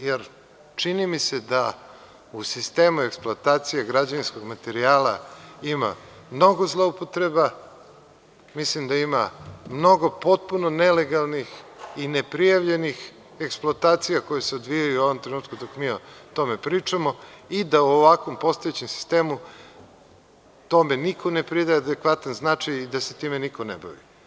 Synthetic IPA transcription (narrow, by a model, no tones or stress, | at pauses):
jeɾ | t͡ʂinimise̞d̪a | usist̪e̞ːmueksplˠoat̪aːt̪sijaɡɾad͡ʑaninsko̞ɡmat̪eɾiaːlaima̰ | mno̞ɡozlˠoupot̪ɾe̞ba | mislimd̪aimamno̞ɡo̞po̞t̪̚punonele̞ɡalˠnixinepɾijaʋʎe̞nix | eksplˠoat̪aːt̪sijako̞jeseod̪ʋijajuoʋomt̪ɾenuːt̪kud̪okmiot̪o̞mepɾiːt͡ʂamoid̪auoʋakʋo̞mpo̞st̪ojet͡ɕemsi̥st̪eːmu | t̪o̞me̞nikʰone̞pɾid̪ajead̪ekʋat̪anznat͡ʂajid̪aset̪iːmenikonḛba̰ʋḭ